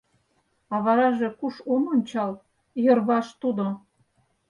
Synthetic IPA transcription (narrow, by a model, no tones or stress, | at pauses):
ɑβɑɾɑʒe̽kuʃononʲt͡ɕɑl | jɤ̆rβɑʃt̪ud̪o